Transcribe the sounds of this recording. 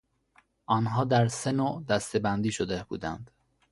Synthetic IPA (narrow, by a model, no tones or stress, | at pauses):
ʔɒːnɦɒːd̪æɾsenoːd̪æst̪e̞bænd̪iːʃod̪eb̥ṵːd̪æ̰nd̪̥